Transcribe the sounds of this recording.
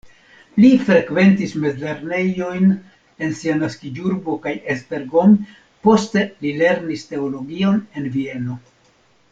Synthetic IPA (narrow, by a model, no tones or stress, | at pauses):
lifɾe̞kve̞ntisme̞d͡zle̞ɾne̞jo̞jn | e̞nsianaskid͡ʒuɾbo̞kajesbe̞ɾɡo̞m | po̞ste̞lile̞ɾniste̞olo̞ɡione̞nvie̞no̞